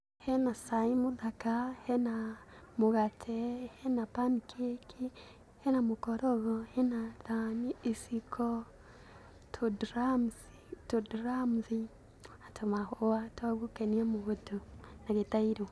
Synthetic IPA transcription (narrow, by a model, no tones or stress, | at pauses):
henasaimuðakahenamuɣatʰehenapamikʰekʰi | henamukoɾoɣohenaðaniisikʰo | tʰodɾams | todɾamzi | atʰomahowataɡukeniemuɣotunaɣetaiɾo